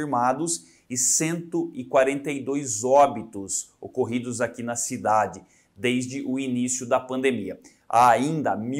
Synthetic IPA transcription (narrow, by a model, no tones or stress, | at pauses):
iɾmad̪ʊs | ɪsẽnt̪ʊɪkwaɾẽnt̪ejd̪ojzɔbit̪ʊso̰koɦid̪ʊzakinɐsid̪ad͡ʒɪ | d̪ejzd͡ʒɪʔʊinisjʊd̪ɐpɐ̃nd̪emiɐ | a̰aĩnd̪ɐmi